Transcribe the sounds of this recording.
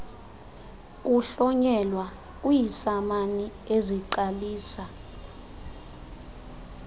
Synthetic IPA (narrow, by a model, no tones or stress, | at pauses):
k̬ʼuɬɔɲɛlwa | k̬ʼujisamani | eziǃaliːsa